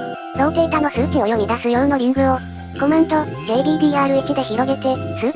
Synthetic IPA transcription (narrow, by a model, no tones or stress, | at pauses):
ɾõ̞ːk̪e̞ːt̪ano̞sɨːkʲio̞jomʲid̪asɨjõɰno̞ɾʲĩŋɡɯ̟o̞ | ko̞mẽnt̪o̞d͡ʑe̞ːbʲiːbʲiːaːɾɯ̟ekʲid̪e̞çiɾo̞ɡe̞t̪e̞sɨː